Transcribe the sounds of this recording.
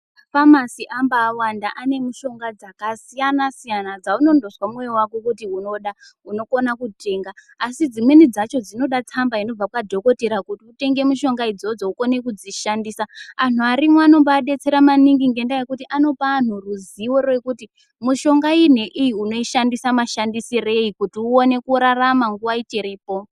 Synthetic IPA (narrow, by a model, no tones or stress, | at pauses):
famasiʔambaːwandaʔane̞muʃo̞ŋɡad͡zakasijanasijanad͡zauno̞ndo̞swamwejewakokutiuno̞ɗauno̞ko̞nakute̞ːŋɡaː | sid͡zimwe̞nid͡zat͡ʃo̞d͡zino̞ɗat͡sambaino̞b͡vakwadʱo̞ko̞teɾakutiute̞ŋɡe̞muʃo̞ŋɡaid͡zod͡zo̞uko̞ne̞kud͡ziʃandiːsaanuaɾimwano̞mbaːɗe̞t͡se̞ɾamaniŋɡiŋɡe̞ndajekutiʔano̞paːn̤uruziwo̞re̞kuti | muʃo̞ŋɡain̤eʔijiuno̞iʃandisamaʃandisire̞ikutiuone̞kuɾaramaŋɡuwait͡ʃeɾiːpo̞